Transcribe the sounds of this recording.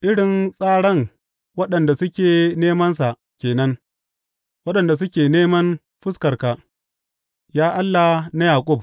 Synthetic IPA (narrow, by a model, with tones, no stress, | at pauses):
ʔɪ˦ɽɪ˨nsʼaː˦ɽɐ˦ŋ | wɐ˦ɗɐ˨nda˨sʊ˦kʲeː˨neː˦mɐ˦ns̬a˨ʔ | kʲeː˨nɐ˦ŋ | wɐ˦ɗɐ˨nda˨s̬ʊ˦kʲeː˨neː˦mɐ˦n | ɸɪ˦skɐ˨rka˨ | jaː˦ʔa˦lːa˨na˦jaː˨kʷʼʊ˦˨b̚